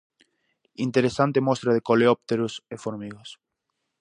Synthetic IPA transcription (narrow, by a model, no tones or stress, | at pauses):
int̪eɾesant̪emost̪ɾaðekoleop̚t̪eɾusefoɾmiɣos